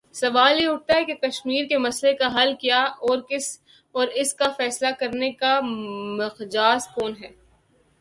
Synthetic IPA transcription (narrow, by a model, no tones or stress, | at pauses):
sɐʋaːljeʊʈ̚t̪aɦɛkekɐʃmiːɾkemɐslekaɦɐlkijaɔːɾkɪs | ɔːɾɪskafɛːslakɐɾnekamɐqd͡ʒaːskoːnɦɛː